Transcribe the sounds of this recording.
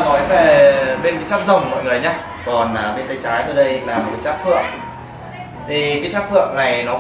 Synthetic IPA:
nɔ˨˦jve˨˩ɓe˧nkaː˨˦t͡ɕaː˦˥p̚zə˨˩wŋ͡mmɔ̰˧˨jŋɨ˨˩əjɲaː˧ | kɔ˨˩nʔəː˧˩ɓe˧nt̪ə˧jt͡ɕaː˨˦jt̪oː˧jɗə˧jlaː˨˩m̚˨˩kːt͡ɕaː˦˥k̚fɨ̰˧˨əŋ | t̪ʰi˨˩kaː˨˦jt͡ɕaː˦˥p̚fɨ̰˧˨əŋna˨˩jnɔ˨˦

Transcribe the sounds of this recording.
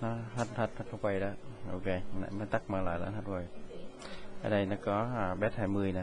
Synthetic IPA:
nɔ˨˦ɦa˨˧˩t̪̚a˨˩t̚hʰa˨˩t̪̚ʰa˧˩va˨˧˩jɗɔ˧˦ʔo˧˩ke˧˩n̰˧˩maː˧˦t̪a˦˥k̚maː˧˩la̰ː˧˨jla̰ː˧˦nha˨˧˩t̚va˨˩j | a̰ː˧˩nɗa˧˩jnɔ˨˦kɔ˨˦ʔaː˨˩ɓɛ˦˥t̚haː˧˩jmɨ˨˧˩əjna˧˦

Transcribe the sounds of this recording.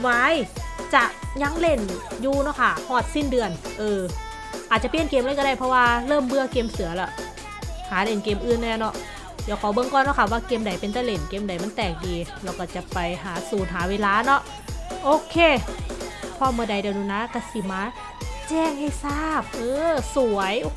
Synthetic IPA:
wa˧˥˨jt͡ɕa˨˩ʔɲa˧˥ŋle˧˩njuː˧nɔ˧˥˨kʰa˧˩hɔː˧˩t̪̚si˧˥˩ndɯ˧ənʔɤː˧ | ʔaː˨˩t̪̚t͡ɕa˧pi˧˩ənkeː˧˨mlaː˧˥˦kɔ˧a˧˩jpʰɔ˧waː˧lɤː˥˨mbɯ˧ɐkeː˧msɯ˨˩˦ɐlɛ˧˩˦ | haː˩˦le˧˩nkeː˧mʔɯː˧˩nːɛː˧˩nɔ˧˥ʔ | jaː˨˩kʰɔ˨˦wbɤ˧˨ŋkɔː˧˨nːɔ˧˥˩kʰa˧˩waː˧˩keː˧mda˨˩jpe˨nt̪ʰa˧˩le˧˩nkeː˧˩mda˨˩jma˧˥nt̪ɛː˨˩k̚diː˧lɛː˧˩wkɔː˧˩t͡ɕa˨˩pa˨jɦaː˨˦suː˨˩˦n̚ɦaː˨˩˦weː˧˨laː˧˥˨nɔ˧˥˦ʔ | ʔoː˧˦kʰeː˧˩ | pʰɔː˧˥˨mɯ˧əda˨˩jdɛː˧˩nuː˧˩˨naː˧˥ka˧˩si˨˩maː˧˥ | t͡ɕɛː˧˩˨ŋha˧˩˨jsaː˥˩p̚ʔɤː˧su˨˩˦ɐj

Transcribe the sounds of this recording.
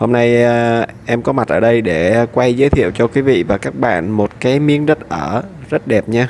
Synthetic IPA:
ho˧mna˧j | ʔɛ˧mkɔ˨˦ma˨˩t̚ʔəː˧˩ɗə˧jɗe˧˩kwa˧jzəː˨˦jt̪ʰḭ˧˨ə˨wt͡ɕɔ˧kwi˨˦vḭ˧˨vaː˨˩kaː˦˥k̚ɓa̰ː˧˨nmo˨˩t̚kaː˨˦jmi˨˦əŋɗə˦˥t̚ʔəː˧˩ | zə˦˥t̚ɗɛ˨˩p̚ɲaː˧

